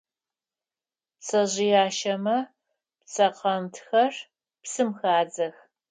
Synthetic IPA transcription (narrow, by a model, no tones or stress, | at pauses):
psɐʑɪjaːʃɐmɐ | pt͡sʰɐqɐmtʰxɐr | psɨmxaːd͡zɐx